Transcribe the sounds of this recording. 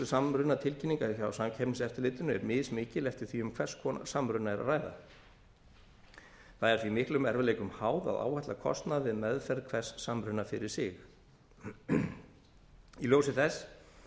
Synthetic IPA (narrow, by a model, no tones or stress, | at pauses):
ʏsamɾʏnat̪ʰɪlcʰɪnːiŋkaiçaawsamcʰɛpnɪsɛft̪ɪɾlɪːt̪ʏnʏɛɾmɪːðsmɪːcɪlɛft̪ɪɾ̥θiʏmkʰvɛr̥skʰɔːna̰samɾʏnaɛɾa̰raːjða̰ | θaðɛɾθvimɪhklʏmɛɾvɪlejkʏmhaːwða̰ða̰ːwhaht̪lakʰɔ̰st̪naðvɪðmɛðfɛɾðkʰv̥ɛr̥ssamɾʏnːafɪɾɪ̥sɪx | iloːwsɪθɛs